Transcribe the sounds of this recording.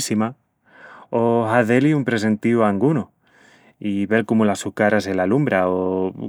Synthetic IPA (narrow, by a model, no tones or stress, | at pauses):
sima | oɦaðe̞liumpɾe̞s̬e̞nt̪ioaŋɡuno | iβe̞lkomulasukaɾaselalumbɾao